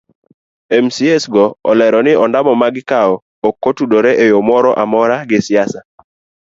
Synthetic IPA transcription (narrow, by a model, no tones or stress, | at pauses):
emsiesɡɔɔ̰lɛɾɔnɪɔndamɔmaɡɪkaɔ | okːotudoɾeʔejomɔɾɔʔamɔɾaɡɪsɪjasa